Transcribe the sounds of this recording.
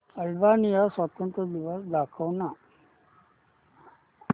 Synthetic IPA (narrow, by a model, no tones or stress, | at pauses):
əlbanijasʋat̪ənt̪ɾəd̪iʋasd̪akʰəʋna